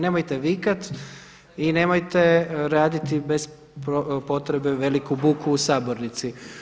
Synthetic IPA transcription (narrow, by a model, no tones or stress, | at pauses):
ne̞mojt̪e̞ʋikat̪ | ine̞ːmojt̪e̞ɾaːd̪it̪ibe̞z | ppo̞t̪ɾebeʋe̞likubukuːsaːboɾnit̪si